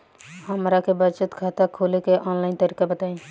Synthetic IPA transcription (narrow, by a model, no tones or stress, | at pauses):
ɦəmɾakebət͡ʃət̪kʰaːt̪akʰoːlekeʔɔːnlaːɪnt̪əɾiːkabət̪aːĩː